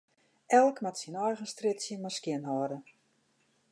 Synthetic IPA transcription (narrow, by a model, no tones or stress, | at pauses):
ʔɛlˠkmatsinɔjɣənstrɪtsjəmaskjɪnɦɔːdə